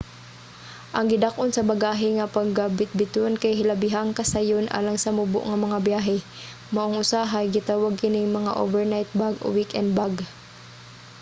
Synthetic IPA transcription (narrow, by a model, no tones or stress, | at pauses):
ʔɐŋɡɪd̪akʔonsɐbɐɡaːɦɪŋɐpɐŋɡabɪt̪̚bɪt̪onkajɦɪlɐbɪɦaŋkɐsajonʔa̰ːlɐŋsɐmʊbʊ̰ʔŋɐmɐŋabjaːɦɛ | mɐʔoŋʔʊsaɦɐjɡɪt̪aːwaɡ̚kɪnɪŋmɐŋa̰ʔo̰vɛɹnajt̪̚baɡo̰wikʔɛ̰nd̪̚baɡ